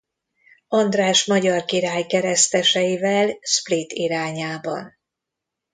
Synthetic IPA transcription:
ɒnd̪raːʃmɒɟɒrkiɾaːjkɛɾɛst̪ɛʃɛjivɛlsplit̪iɾaːɲaːbɒ̰n

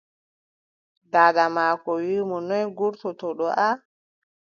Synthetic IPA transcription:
daːɗamaːkɔwimɔnɔjɡuɾtɔtɔɗɔʔa

